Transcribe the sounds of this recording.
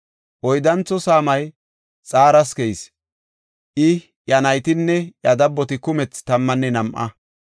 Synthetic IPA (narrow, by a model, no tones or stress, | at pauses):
ʔɔjd̪ɐnt͡sːɔsaːmɐj | t͡sʼaːɾɐskɛjs | ʔɪ | jɐnɐjt̪ɪnːɛjɐd̪ɐbːɔt̪ɪkʊmɛt͡st̪ɐmːɐnːɛnɐmʔɐ̰